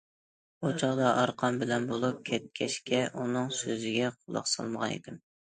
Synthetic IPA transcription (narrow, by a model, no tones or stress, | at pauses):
ot͡ʃʰɑlˠɑʔɑɾqʰɑmbɪlɛnbolˠup̚kʲʰɛt̪̚kʲʰɛʃkʲʰɛʔunɨŋsøzɪɡʲɛqʰolˠɑ̰χsɑ̰lˠməʁɑnḛd̪ɪm